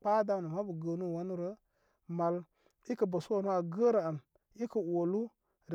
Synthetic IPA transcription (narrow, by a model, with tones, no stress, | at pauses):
k͡pa˦da˦˨nu˨ma˦bə˨ɡə˧nu˦˨wa˦nu˦ɾə˦ | ma˨l | i˦kə˨bə˨su˦wa˨nu˦a˨ɡə˦ɾə˨a˨m | i˦kə˨wo˨lu˦ | ɾ